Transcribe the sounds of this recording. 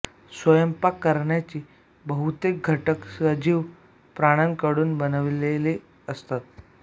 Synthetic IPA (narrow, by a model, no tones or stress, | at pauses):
sʋəjəmpakːəɾɳjat͡ɕiː | bəɦut̪ek̚ɡʱəʈəksəd͡ʑiːʋ | pɾaɽ̃ankəɽuːnbənəʋleli | əst̪at̪̚